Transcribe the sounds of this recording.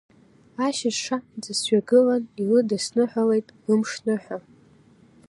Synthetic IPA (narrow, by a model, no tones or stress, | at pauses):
aʃɪʂad͡zɨsɥaɡɨlanilɨdasnɨħʷᶣale̞jtʼlɨmʂnɨħʷᶣa